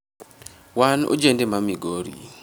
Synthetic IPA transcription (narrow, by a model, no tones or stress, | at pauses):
wano̰d͡ʒendemamiɡoɾḭ